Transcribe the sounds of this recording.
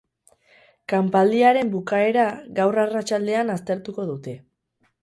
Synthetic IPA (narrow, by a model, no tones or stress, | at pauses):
kampald̪iaɾe̞mbukae̞ɾaɣawrarat͡ʃald̪e̞anast̪e̞ɾt̪uko̞ðut̪e̞